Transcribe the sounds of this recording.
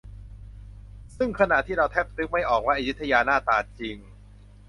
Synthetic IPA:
sɯ˥˩ŋkʰa˧na˨˩ʔt̪ʰiː˥˩ɾa˧wt̪ʰɛː˦˥˩p̚t̪ɯ˦˥k̚ma˥˩jʔɔː˨˩k̚wa˦˥˩ʔa˧ju˦˥t̪ʰːa˧jaː˧naː˥˩t̪aː˧t͡ɕi˧ŋ

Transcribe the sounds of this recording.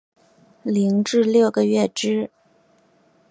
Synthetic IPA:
li˧˥ŋʈ͡ʂɻ̩˥˧ljo˥˩ʊɡə˨ɥɛ˥˩ʈ͡ʂɻ̩˥

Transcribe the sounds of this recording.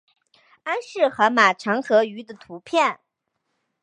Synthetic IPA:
a˥nʂɻ̩˥˩xɤ˧˥ma˨˩ʈ͡ʂʰɤ˧˥ŋxɤ˧˥y˧˥d̪ə˧t̪ʰu˧˥pʰjɛ˥˩n

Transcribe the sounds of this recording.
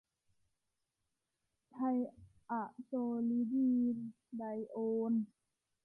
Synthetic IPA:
t̪ʰa˧j | ʔa˧˩ʔsoː˧li˧˦diː˧ | da˧˦jʔoː˧n

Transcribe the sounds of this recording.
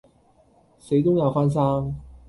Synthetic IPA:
se˨˥jt̪ʊ˥ŋjɐ˨˧wfa˥ns̬aː˥ŋ

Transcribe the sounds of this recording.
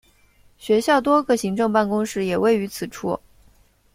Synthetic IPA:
ɕɥɛ˧˥ɕjɑ˥˩ʊt̪̬wɔ˥ɡə˥˧ɕi˧˥ŋʈ͡ʂɤ˥˧ŋpa˥˩nkʊ˥ŋʂɻ̩˥˩jɛ˨˩we˥˩ɪy˧˥t͡sʰɹ̩˨˩ʈ͡ʂʰu˥˩

